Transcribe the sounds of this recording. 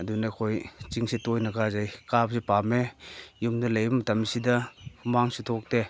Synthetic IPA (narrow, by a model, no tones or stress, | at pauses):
ɐdunakʰojt͡ʃiŋsitojnɐkazajkapsipamejumdɐlejbɐmɐtɐmsidɐpʰumaŋsitʰɔk̚de